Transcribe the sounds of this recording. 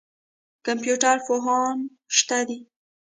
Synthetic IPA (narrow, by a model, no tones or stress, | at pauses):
kampjuʈaɾfoɦɑn | ʃt̪ad̪i